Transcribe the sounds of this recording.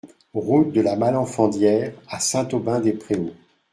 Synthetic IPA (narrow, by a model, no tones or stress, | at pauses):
ʁut̪̚d̪əlamalɑ̃fɑ̃d̪jɛːʁasɛ̃t̪obɛ̃d̪epχeo